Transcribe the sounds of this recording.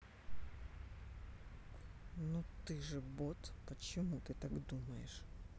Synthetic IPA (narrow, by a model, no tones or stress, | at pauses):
nut̪ɨʐɨbot̪pət͡ɕɪmut̪ɨt̪aɡd̪umɐjɪʂ